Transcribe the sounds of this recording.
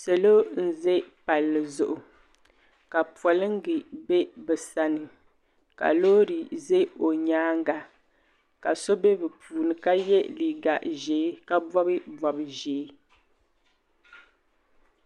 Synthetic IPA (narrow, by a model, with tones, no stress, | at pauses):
sɛ˨lo˦n̩˦ze˦pa˨lːɨ˨zʊ˨ʔʊ˨ | ka˨pɔ˨lɨ˦ŋ˦ɡɨ˨bɛ˦bɛ˨sa˨nɨ˨ | ka̰˨loː˦ɾi˨ze˦o˨ɲaː˦ŋ˦ɡa˨ | ka˨so˦bɛ˦bɛ˨puː˨nɨ˨ka˦jɛ˦li˨ɡa˨ʔʒeː˨˦ka˦bɔ˦bɨ˦bɔ˨bʒeː˨˦